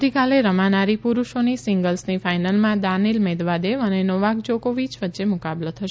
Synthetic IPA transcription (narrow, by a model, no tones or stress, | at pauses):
ikaleɾəmanaɾipuɾuʃonisiŋɡəlsnifajnəlmãd̪anilmed̪ʋad̪eʋənenoʋakd͡ʒokoʋit͡ʃʋətːʃemʊkablət̪ʰəʃ